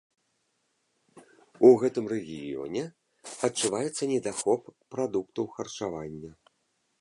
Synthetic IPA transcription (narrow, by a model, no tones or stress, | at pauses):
uɣɛt̪ɨmrɛɣʲḭjɔ̰nʲɛ | ɐtt͡ʂːuvajɛt̪sːɐnʲɛd̪axɔpːɾad̪ukt̪ɐwxɐrt͡ʂavanʲːɐ